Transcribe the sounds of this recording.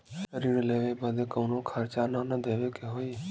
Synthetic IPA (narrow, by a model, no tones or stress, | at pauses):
ʃsəɾiːɾleːʋebəd̪eːkəʊnõːkʰaːɾt͡ʃananəd̪ʱeːʋekeɦoːi